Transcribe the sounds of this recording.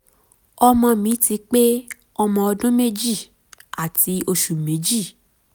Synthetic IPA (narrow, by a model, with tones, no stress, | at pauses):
ɔ˧mɔ̃˧mĩ˨˦ti˧k͡pe˦ | ɔ˧mɔ̃˧ɔ˧dũ˦me˦d͡ʒi˦˨ | a˨ti˨˦o˧ʃu˨mẽ˨˦d͡ʒi˦˨